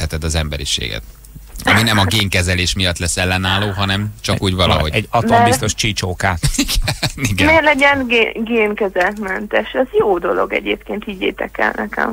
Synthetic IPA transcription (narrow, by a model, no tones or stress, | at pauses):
ɛt̪ɛd̪ɒzɛmbɛɾḭʃḛːɡɛ̰t̪ | ɒ̰minɛmɒɡeːŋkɛzɛleːʃmijɒt̪ːlɛsːɛlːɛnːaːloːɦɒnɛmt͡ʃɒkuːɟvɒlɒ̰ɦo̞ɟɛɟɒt̪ombist̪o̞ʃt͡ʃiːt͡ʃoːkaːiɡniɡɛmerlɛɟɛnɡeɡeːnkɛzɛlt̪mɛnt̪ɛʃɛzjoːd̪o̞loɡɛ̰ɟeːp̚keːnt̪iːɟḛːt̪ɛkɛ̰lnɛkɛ̰m